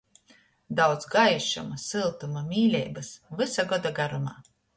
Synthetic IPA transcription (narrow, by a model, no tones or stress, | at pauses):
d̪awd̪zɡajʃṵmasɨlˠt̪umamʲiːlʲɛ̰jbɨsvɨsaɡɔd̪aɡaɾumaː